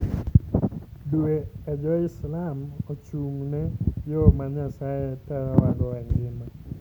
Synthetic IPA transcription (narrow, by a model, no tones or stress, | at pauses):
dwead͡ʒɔɪslamot͡ʃumnɛjɔmaɲasajetɛɾɔwaɡɔɛŋɡɪma